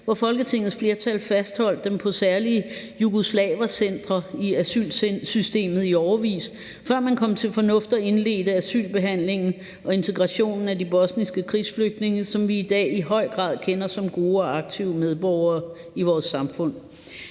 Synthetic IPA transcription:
ʋɑfɒ̽lɡ̥ət͡sʰe̝ŋ̰ð̩sfle̝ɐt͡sʰælfæsd̥hɒ̽l̰d̥ːempʰɒ̽sæɐliə | juɡ̥o̝slɛ̰ːʋɐsen̰d̥ʁɐiæsy̰ːlsysd̥e̝̰ːmð̩ˠiɒʊɐʋḭːs | fɶɐ̰mænkʰɒ̽m̰t͡sʰe̝lfɒ̽nɔ̽fd̥ɒe̝nle̝̰ːd̥əæsy̰ːlb̥e̝ɦæn̰le̝ŋn̩ | ʔɒ̽e̝nt͡sʰe̝ɡ̥ʁɑ̈ɕo̝̰ːnn̩ædib̥ɒ̽snisɡ̥əkʰʁisfløɡ̥̚d̥ne̝ŋəsɒ̽mʋiːd̥ɛ̰ːiɦɒ̽ɪ̰ɡ̥ʁɑ̰̈ːð̰ˠkʰenɐsɒ̽mɡ̥o̝ːɒ̽ɑ̈ɡ̥̚t͡sʰiʊmeðˠb̥ɒʊɐː | iʋɒːsːɑ̈mfɔ̽n̰

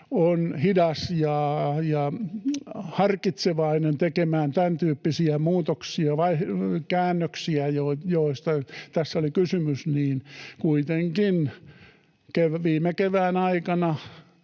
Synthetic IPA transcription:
onhidɑsjɑjɑ | hɑrkit̪seʋɑinent̪ekemæːnt̪ænt̪yːpːisiæmuːt̪oksiɑʋɑikæːnːøksiæjojoist̪ɑt̪æsːolikysymysniːnkuit̪eŋkin | keʋʋiːmekeʋæːnɑikɑnɑ

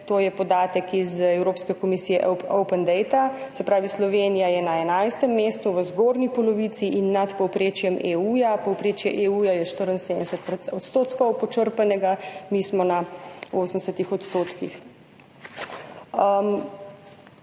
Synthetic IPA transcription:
t̪oːjɛpɔd̪aːt̪əkizɛwɾoːpskɛkɔmisiːjɛ̰owpənd̪ɛjt̪asɛpɾaːʋislɔʋeːnijajɛnaɛnajst̪ɛmːeːst̪uʋəzɡoːɾnipɔlɔʋisiʔinːat̪pɔwpɾeːt͡ʃjɛmeujapɔwpɾeːt͡ʃjɛʔeuːjajɛʃt̪əɾənseːd̪d̪ɛsɛt̪̚pɔt̪st̪oːt̪kɔwpɔt͡ʃəɾpanɛɡamiːsmɔnaoːsən̩d̪ɛsɛt̪ixɔt̪st̪oːt̪kix | m

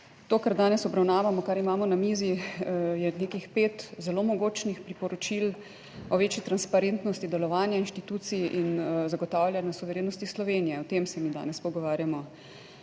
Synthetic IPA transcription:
t̪oːkaɾd̪aːnɛsɔbɾawnaːʋamɔkaɾimaːmɔnamizijɛnekixpeːt̪zɛlomɔɡoːt͡ʃnixpɾipɔɾɔt͡ʃil | ɔʋeːt͡ʃit̪ɾanspaɾent̪nɔst̪id̪ɛlɔʋaːnjainʃt̪it̪uːt̪siʔinzaɡɔt̪aːwlʲjanjasuʋɛɾeːnɔst̪islɔʋeːnijɛɔt̪emsɛmiːd̪a̰ːnɛspɔɡɔʋaːɾjamɔ

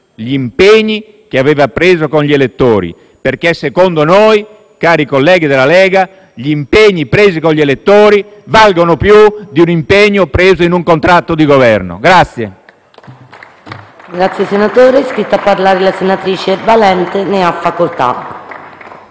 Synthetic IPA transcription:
ʎiimpeɲːi | k̟eavɛːvapɾeːzokoɲʎiɛlet̪ːoːɾḭ | perkɛsekond̪onoj | kaːɾikolːɛːɡid̪elalɛːɡa | ʎiimpeɲːipɾeːzikonʎːɛlet̪ːoːɾivalɡonopjud̪iunimpeɲːopɾeːzoinuŋkont̪ɾat̪ːod̪iɡovɛrno̰ɡɾat̪sːjḛ | ɡɾat̪sːjesenat̪oːɾeskɾit̪ːapːaɾlaːɾelasenat̪ɾiːt͡ʃevalɛnt̪eneafːakolt̪a̰

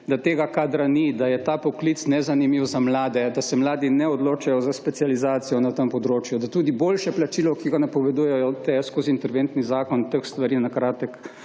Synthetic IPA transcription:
d̪at̪eːɡakaːd̪ɾanid̪ajɛt̪aːpɔklit̪snɛzanimiwzamlaːd̪ɛd̪asɛmlaːd̪inɛɔd̪loːt͡ʃajɔzaspɛt̪sializaːt̪sijɔnat̪əmpɔd̪ɾoːt͡ʃjud̪at̪uːd̪iboːlʃɛplat͡ʃilɔkiɡanapɔʋɛd̪uːjɛjɔt̪ɛskoːziːnt̪ɛɾʋeːnt̪nizaːkɔnt̪əxst̪ʋaɾinakɾaːt̪ək

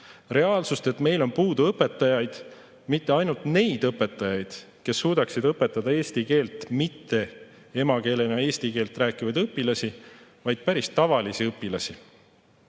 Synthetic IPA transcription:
re̞ɑːlsust̪e̞t̪me̞jlo̞npuːd̪uɤpːˑe̞t̪ːˑɑjɑjd̪̥ | mit̪ːe̞ɑjnult̪ne̞jd̪̥ɤpːˑe̞t̪ːˑɑjɑjd̪̥ | ke̞sːuːd̪̥ɑksid̪ɤpːˑe̞t̪ːˑɑd̪̥ɑe̞ːsʲt̪ike̞ːlt̪mit̪ːe̞ | e̞mɑke̞ːle̞nɑe̞ːst̪ike̞ːlt̪ˑræːkˑivɑjd̪ɤpːilɑsivɑjd̪̥̚pæɾist̪ɑvɑlisiɤpːilɑsi

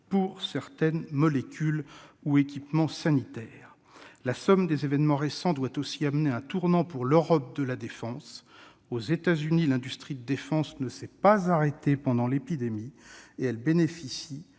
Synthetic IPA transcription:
puʁsɛʁt̪ɛnmɔlekʲyluekʲipmɑ̃sanit̪ɛːʁ | lasɔmd̪ezevɛnmɑ̃ʁesɑ̃d̪wat̪osiamneɛ̃t̪uʁnɑ̃puʁløʁɔp̚d̪əlad̪efɑ̃s | ozet̪azynilɛ̃d̪yst̪χid̪əd̪efɑ̃snəsɛpazaʁet̪epɑ̃d̪ɑ̃lepid̪emieɛlbenefisi

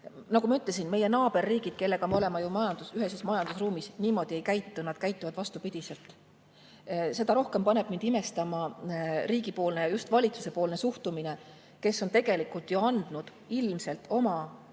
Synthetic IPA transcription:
nɑkumɑyt̪ːˑles̬inme̞je̞nɑːb̥e̞rːiːɡ̥id̪̥ke̞lːeɡ̥ɑmeo̞le̞mɑjumɑjɑnd̪̥usyɦesesmɑjɑnd̪̥usruːmisniːmo̞d̪̥iejkæjt̪ːunɑd̪̥̚kæjt̪ːuvɑd̪̥vɑst̪upid̪̥ise̞lt̪ˑ | se̞d̪̥ɑɾo̞hke̞mpɑne̞b̥mind̪ime̞st̪ɑmɑriːɡipo̞ːlne̞jɑjust̪vɑlʲit̪su̥se̞po̞ːlne̞suht̪umine̞ | ke̞sːo̞nt̪e̞ɡe̞likˑult̪juɑnd̪̥nud̪̥ | ilmse̞lt̪ːˑo̞mɑ

